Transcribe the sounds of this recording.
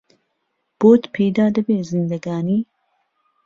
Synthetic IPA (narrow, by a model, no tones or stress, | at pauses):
b̥oːt̪pʰejd̪aːd̪ɐbeːzind̪ɐɡaːniː